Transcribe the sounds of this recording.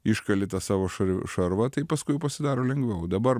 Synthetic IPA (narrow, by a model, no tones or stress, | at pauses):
ɪʃkɐlʲɪt̪ɐsɑːʋoːʃɐʃɐɾʋɐt̪ɐɪpɐskʊɪpɐsʲɪd̪ɑːɾoːlʲɛŋɡʋʲɛʊd̪ɐbɐɾ